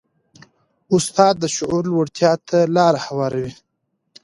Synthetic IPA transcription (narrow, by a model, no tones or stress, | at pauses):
ʊst̪ɑːd̪ːəʃʊʔuɾlwaɽt̪ʰjɑːt̪ʰalɑːɾahawɑːɾawi